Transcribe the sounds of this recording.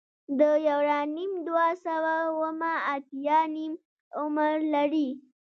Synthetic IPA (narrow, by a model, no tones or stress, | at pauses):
d̪əjawɾanimd̪wasawawəmaːt̪jɑnim | ʊməɾlaɽi